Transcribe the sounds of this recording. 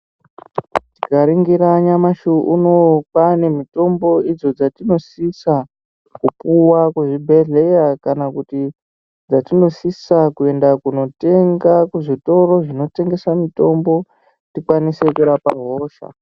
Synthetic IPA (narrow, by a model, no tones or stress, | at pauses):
ti̥kaɾiŋɡiɾaɲamaʃuʔuno̞pane̞mito̞mbo̞id͡zo̞d͡zatino̞sisa | kupuwakuʐibʱe̞ɮe̞jakanakuti | d͡zatino̞sisakue̞ndakuno̞te̞ŋɡakuʐito̞ro̞ʐino̞te̞ŋɡe̞samito̞mbo̞ | tikwanise̞kuɾapa̰ɦo̞ːʃa̰